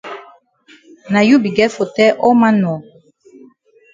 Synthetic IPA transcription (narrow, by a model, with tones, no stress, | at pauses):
na˨ju˦bi˨ɡɛ˦fo˨tɛ˦ʔɔ˦ma˦nɔ˨